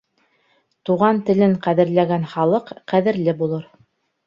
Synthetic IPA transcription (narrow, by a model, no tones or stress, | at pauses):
t̪uʁɑnt̪ɘ̆lɘɴqæðɘ̆ɾlæɡænχɑlˠɤqːæðɘ̆ɾlɘbulˠɤɾ